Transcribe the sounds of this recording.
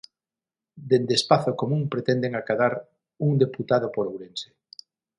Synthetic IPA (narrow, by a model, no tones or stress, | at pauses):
d̪end̪espaθokomũŋpɾet̪ɛnd̪eŋakaðaɾ | uŋd̪eput̪aðopoɾowɾense̥